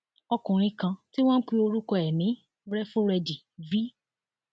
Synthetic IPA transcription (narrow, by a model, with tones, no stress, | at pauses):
ɔ˧kũ˨ɾ̃ĩ˧kã˧ti˦w̃ɔ̃˦n̩˦k͡pi˧o˧ɾu˦kɔ˧ɛ˨nĩ˨˦ | ɾɛ˦fũ˦ɾɛ˧di˨ | vi˦